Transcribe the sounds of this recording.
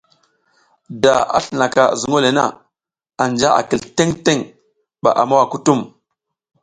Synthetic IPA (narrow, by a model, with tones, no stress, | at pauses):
da˨a̰˦ɬə˨na˨ka̰˨zu˨ŋo˦le˨na̰˦ | a˨nd͡ʒa˦a̰˨ki˨lte˦ŋte˦ŋ | ɓa̰˨ʔa˨ma˦wa˨ku˦tu˦˨m